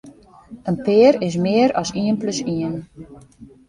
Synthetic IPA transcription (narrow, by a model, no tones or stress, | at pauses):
ənpɪəɾɪs̬mɪəɾɔsiənpløsiən